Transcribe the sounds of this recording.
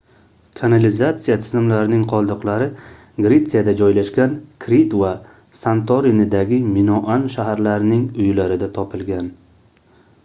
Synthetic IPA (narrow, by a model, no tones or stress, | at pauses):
kʰanalɪzat̪sijat̪ʰɪzɪmlaɾɪnɪŋqʰɒlˠd̪ɨqlˠaɾɪ | ɡɾe̞t̪sɨjad̪ad͡ʒɒjlaʃkʲankʰɾit̪va | sant̪ʰoɾinɪd̪aɡʲɪmɪnɒʔanʃaɦaɾlaɾɪnɪŋʊjlaɾɪd̪at̪ʰɒpʰɪlɡʲan